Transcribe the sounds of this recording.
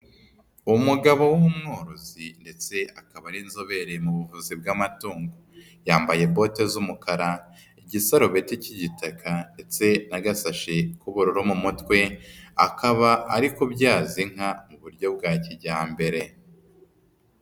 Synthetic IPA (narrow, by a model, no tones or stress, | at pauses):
umuɡaβo̞wumumŋo̞ːɾozinde̞t͡se̞akaβaɾiːnzo̞βe̞ɾe̞muβuvuːzib̚ɡamatuːŋɡo | jaːmbaje̞bo̞ːte̞zumukaɾa | iɟisaɾoβeticiɟitakʰande̞t͡se̞naɡasaʃekuβuɾuɾomumutwe̞a̰kaβaaɾikobɟaːziŋ̥ɦamuβuɾɟo̞b̚ɡaːciɟaːmbe̞ɾe̞